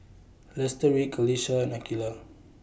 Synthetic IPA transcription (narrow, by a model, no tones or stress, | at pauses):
lɛstəɹikʰɔliʃanakila